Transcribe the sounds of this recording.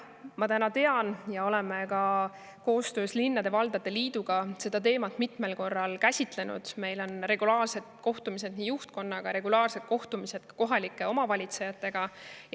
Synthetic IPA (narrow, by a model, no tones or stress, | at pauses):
mɑt̪ænɑt̪e̞ɑnjɑo̞lɛmekɑ | ko̞ːst̪ø̞ːslinːɑd̪e̞vɑld̪̥ɑd̪e̞liːd̪̥uɡ̥ɑse̞d̪̥ɑt̪̬e̞ːmɑt̪ːmit̪me̞lko̞rːɑlkæsʲit̪le̞nṵd̪̥me̞jlo̞nre̞ɡ̥ulɑːrse̞d̪̥̚ko̞ht̪umis̬e̞d̪nijuht̪̚ko̞nːɑɡ̥ɑɾe̞ɡ̥ulɑːrse̞d̪̥̚ko̞ht̪umise̞d̪̥̚kko̞ɦɑlikːˑe̞o̞mɑvɑlʲit̪se̞jɑt̪ˑːe̞ɡ̥ɑj